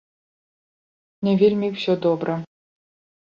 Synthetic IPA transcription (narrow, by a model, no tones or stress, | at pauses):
nʲevʲilʲmʲikfsʲod̪obɾə̆